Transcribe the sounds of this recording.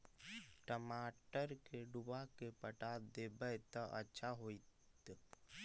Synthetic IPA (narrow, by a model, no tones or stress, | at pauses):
ʈəmaːʈəɾkeɖʊbakepəʈad̪eːbəjt̪əʔə̰tːʃʰaɦoːit̪